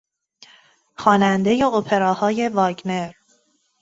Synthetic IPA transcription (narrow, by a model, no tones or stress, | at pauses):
xɒːnænd̪e̞je̞opʰe̞ɾɒːhɒːje̞vɒːɟne̞ɾ